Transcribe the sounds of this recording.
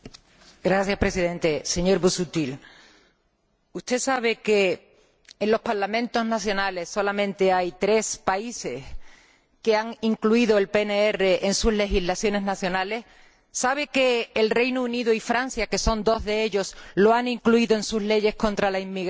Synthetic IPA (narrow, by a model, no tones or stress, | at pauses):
ɡɾaθjahpɾe̞siðẽ̞nt̪e̞se̞ɲo̞ɾβusut̪il | ust̪e̞saβ̞e̞ke̞ː | nlo̞spaɾlamẽ̞nt̪o̞znaθjo̞nale̞sːo̞lamẽ̞nt̪e̞ajt̪ɾe̞spaise̞s | ke̞aŋiŋkluiðo̞e̞lpe̞neere̞ʔensuzle̞xiɦlaθjo̞ne̞znaθjo̞nale̞s | saβ̞e̞ke̞ːlre̞jnuuniðuifɾanθjake̞so̞nd̪o̞zðe̞eʎo̞slo̞aniŋkluiðo̞e̞nsuzle̞ʝe̞hko̞nt̪ɾalaimːiɣ